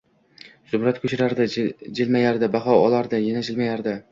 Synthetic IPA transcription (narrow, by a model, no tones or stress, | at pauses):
z̥ʊbɾat̪kʰɵt͡ʃʰɪɾaɾd̪ɪd͡ʒɪlmajaɾd̪ɪbaχɒɒlˠaɾd̪ɪjɪnad͡ʒɪlmajaɾd̪ɪ